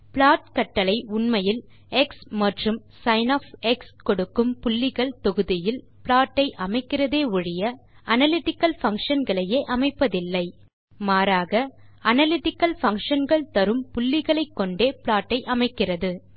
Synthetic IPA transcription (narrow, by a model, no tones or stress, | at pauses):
pɭaːʈkɐʈːɐlɐɪʊɳmɐjɪl | ɛksmɐʈrɯm | sɐɪnoːfɛkskɔɽɯkːɯmpʊlːɪɣɐɭt̪ɔɣɯðɪjɪl | pɪɭaːʈːɐɪʔɐmɐɪkːɪrɐðeːʊɻɪjɐ | ɐnɐlɪʈɪkːɐlfɐŋkʂɐnɡɐɭɐjeːʔɐmɐɪpːɐðɪlːɐɪ | maːɾaːɣɐɐnɐlɪʈɪkːɐlfɐŋkʂɐnɡɐɭt̪ɐɾɯmpʊlːɪɣɐɭɐɪkːɔɳɖeːpɪɭaːʈːɐɪʔɐmɐɪkːɪrɐðɯ